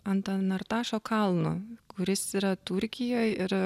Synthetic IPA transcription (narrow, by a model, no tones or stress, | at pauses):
ɐnt̪ɐnɐɾt̪ɑːʃoːkɐlˠnʊ̰kʊɾʲɪsiɾɐt̪ʊɾʲkʲɪjoːjɪɾ